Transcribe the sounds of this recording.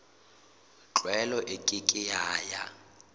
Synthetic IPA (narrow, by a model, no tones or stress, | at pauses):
t͡ɬʼwɛlɔʔɪkʼɪkʼɪjaːja